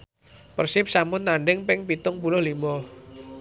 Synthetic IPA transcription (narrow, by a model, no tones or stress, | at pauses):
pərsɪp̚samʊnt̪aɳɖɪŋpɪŋpit̪ʊŋpulʊhlimɔ